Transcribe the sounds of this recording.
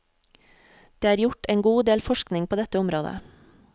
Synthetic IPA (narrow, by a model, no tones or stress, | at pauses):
d̪̥eːæːɾjʊʈeːŋɡuːd̪eːlfɔʃknɪŋpʰoːd̪ɛt̪əʊmɾoːd̪ə̰